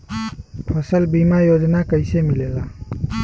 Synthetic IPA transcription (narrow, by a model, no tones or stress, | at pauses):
pʰʌsəlbimajod͡ʒnakəjsemilela